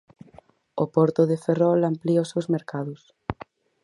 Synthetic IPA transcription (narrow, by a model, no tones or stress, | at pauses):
opɔɾt̪ʊðeferɔlampliʊsewzmeɾkaðʊs